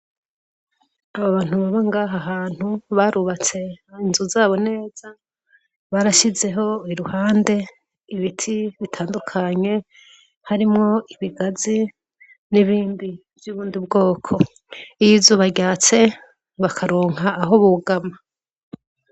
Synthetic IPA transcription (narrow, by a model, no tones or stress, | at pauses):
aβaβaːn̥uβaβaŋɡaɦaɦaːn̥huβaɾuβat͡se̞inzuzaːβo̞ne̞ːz̥a | βaɾaʃize̞ɦo̞iɾuhaːnde̞ | iβitʰiβitʰaːndukʰaɲe̞ | haɾimŋo̞iβiɡazi | niβiːnbi | vjuːβuːndibɡo̞ːkʰo̞ | ijizuβaɾɟaːt͡se̞ | βakʰaɾo̞ːŋaːɦo̞βuɡama